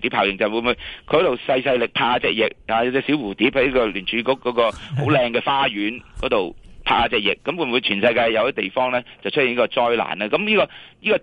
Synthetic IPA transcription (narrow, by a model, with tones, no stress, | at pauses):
t̪i˨˥pʰaː˨˩jɪ˨˩ŋt͡sɐ˨wu˨˧˥nmu˨˧jkʰhto˨˩wsɐ˧jsɐ˧jlɪ˨k̚pʰaː˧a˧t͡sɛ̰ː˧k̚jɪ̰˨k̚aː˧ja˨˩wt͡sɛː˨˥siː˨˥wuː˨˩t̪iː˨˥p̚hɐ˥jniː˥kɔː˧lyː˨˩nt͡ʃʰyː˨˥kʊ˥kːɔː˨˥kɔː˧ho˨˥wlɛː˧ŋkɛː˧faː˥jyː˨˥nkɔː˨˥t̪o˨˩wpʰa̰ː˧a˧t͡sɛː˨k̚jɪ˨˩kːɐ˨˥mwu˧nmu˨˧jt͡ʃʰyː˨˩nsɐ˧jkaː˧jjɐ˨˧wtɛ˦˥t̪e˨jfɔː˥ŋlɛː˥t͡sɐ˨wt͡ʃʰɵ˥t̚ji˨˩niː˥kɔː˧t͡sɔː˥jla̰ː˨˩naː˧kɐ˨˦mjiː˥kɔː˧jiː˥kɔː˧